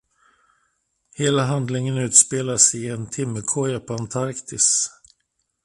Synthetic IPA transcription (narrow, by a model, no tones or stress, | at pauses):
heːlaɦand̪lɪŋənʉ̟ːt̪speːlasɪɛnt̪ʰɪmːəkʰɔjapʰɔant̪ʰaɾkt̪ʰɪs